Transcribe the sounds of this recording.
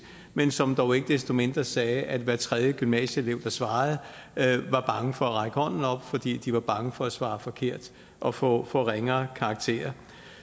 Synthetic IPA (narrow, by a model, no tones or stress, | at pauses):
mensɒ̽md̥ɒʊe̝ɡ̥əd̥esd̥o̝me̝nd̥ʁɐsɛːʔæd̥ʋæɐt͡sʰʁɛðˠjəɡ̥ymnɛ̰ːɕəele̝ʊd̥ɑ̈sʋɑ̈ːð̞̩ˠʋɑ̈b̥ɑ̈ŋəfɒ̽æʁɑ̈ɪɡ̥əhɒ̽n̰n̩ɒ̽b̥fɒ̽d̥ḭːd̥iʋɑ̈b̥ɑ̈ŋəfɒ̽æsʋɑ̈ːfɒ̽kʰe̝ɐ̰d̥ | ʔɒ̽fɔ̰ːfɔ̰ːʁeŋɐːkʰɑ̈ːɡ̥̚t͡sʰe̝̰ːɐ